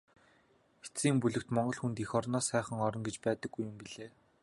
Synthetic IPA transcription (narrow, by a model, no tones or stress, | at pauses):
xe̥t͡siːmpuɮɘ̆k̚t̪mɔɴɢɞ̆ɮxunt̪ixɔrnɔːsæːχə̆ŋɔɾɞ̆ŋɡet͡ɕpæːt̪ə̆ɡːujːʊmpiɮeː